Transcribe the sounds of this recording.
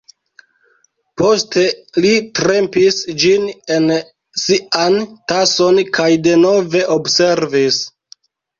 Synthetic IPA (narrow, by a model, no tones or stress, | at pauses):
po̞ste̞litɾe̞mpisd͡ʒine̞n | siantaso̞nkajde̞no̞ve̞ʔobse̞ɾvis